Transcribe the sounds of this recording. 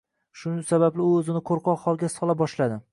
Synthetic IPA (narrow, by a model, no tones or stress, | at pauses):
ʃʊsabablɪɵzɪnɪqʰoɾqʰɒqhɒlˠɡʲasɒlˠabɒʃlad̪ɪ